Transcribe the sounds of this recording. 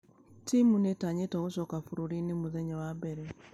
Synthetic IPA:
timunetaɲetɔɣoʃɔkafuɾuɾinemuðɛɲawabɛɾe

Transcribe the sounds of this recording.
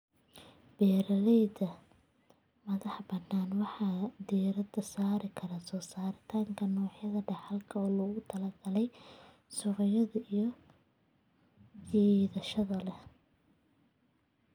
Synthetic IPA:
b̥ɛːɾɐlɛjd̪ɐ | mɐðɑħbɐnnaːnwɑħɑːd̪ɛːɾɐd̪ɐsaːɾɪkʰɐɾasɔːsaːɾɪt̪ʰaːŋkʰɐnɔːħjɐðɐɖɑħɑlkʰɐɔːlɔːɣʊt̪ʰɐlɐɡɐlɛj | sʊɾɔjɐðɐijɔ | ʕiːðɐʃɐðɐlɛ

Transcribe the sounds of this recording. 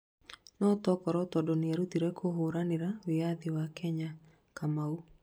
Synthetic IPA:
nɔtɔkɔɾɔtɔdɔneaɾutiɾɛkʰoɦoɾaneɾaweaðiwakɛɲa | kamau

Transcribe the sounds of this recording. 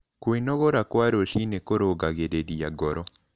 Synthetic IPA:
kwinɔɣoɾakwaɾoʃinekoɾoɡaɣeɾeɾiaɡɔɾɔ

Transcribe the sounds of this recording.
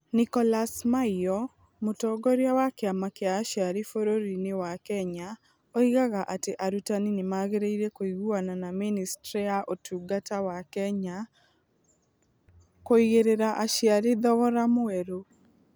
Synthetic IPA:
nikɔlasmaiɔ | motɔɡɔɾjawakeamakejaːʃjaɾifoɾoɾinewakɛɲa | oiɣaɣaʔateʔaɾutaninemaɣeɾeiɾekoiɣuananaministɾijaʔotuɡatawakɛɲa | koiɣeɾeɾaʔaʃjaɾiðɔɣɔɾamoɛɾo

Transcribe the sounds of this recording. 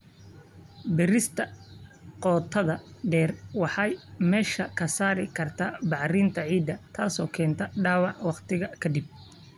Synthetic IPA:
bɪɾɪst̪ʰɐqɔːt̪ʰɐðɐɖɛːrwɑħɑjmɛːʃɐkʰɐsaːɾɪkʰɐrt̪ʰabɑʕriːnt̪ʰɐʕiːd̪ɐt̪ʰaːsɔːkʰɛːnt̪ʰɐɖaːwɑʕwɑqt̪ʰɪɣɐkʰɐd̪ɪb̚

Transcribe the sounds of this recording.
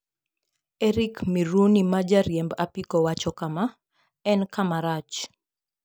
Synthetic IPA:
ɛɾikmiɾunimad͡ʒaɾjɛmbapikɔwat͡ʃɔkama | ɛnkamaɾat͡ʃ

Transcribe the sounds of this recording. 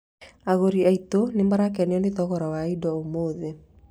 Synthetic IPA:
aɣoɾiaitonembaɾak̬ɛneɔneðɔɣɔɾawaidɔomoːðe

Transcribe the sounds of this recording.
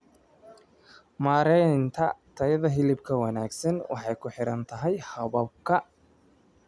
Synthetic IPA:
maːɾɛjnt̪ʰɐt̪ʰɐjɐðɐɦɪlɪbkʰɐwɐnaːɡsɐnwɑ̰ħɑjkʰʊħɪɾɐnt̪ʰɐɦɛjhɐβɐb̚kʰɐ

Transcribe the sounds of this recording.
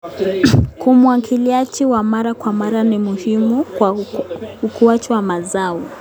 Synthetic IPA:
kʰumuakʰiliat͡ʃiwamaɾakwamaɾanimuhimukwa | ukuat͡ʃiwamazaɔ

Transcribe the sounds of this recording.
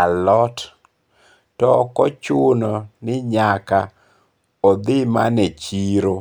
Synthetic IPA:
alɔt | tɔkɔt͡ʃʊnɔnɪɲaka | ɔd̪ɪma̰nɛt͡ʃiɾo

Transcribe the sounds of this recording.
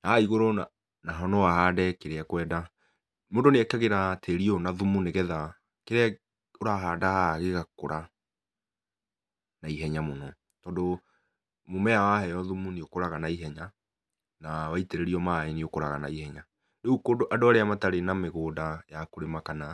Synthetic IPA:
naaiɣoɾona | naɦɔnɔwaɦaːdɛkeɾeakwɛːda | moːdoneɛkɛɣeɾatʰeɾiɔnaðumuneɣɛða | keɾɛ | oɾaɦaːdahaɣeɣakoɾʔa | naiɦɛɲamonɔ | tɔːndo | momɛawahɛjɔðumuniokoɾaɣanaiɦɛɲa | nawaiteɾeɾiɔmaeniokoɾaɣana̰ihɛɲa | neukodoʔadoaɾeamataɾenameɣoːdajakoɾemakana

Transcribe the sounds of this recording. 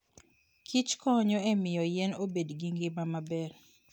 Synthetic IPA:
kʰit͡ʃkɔɲɔɛmɪjɔjɛnobedɡiŋɡɪmamabɛr

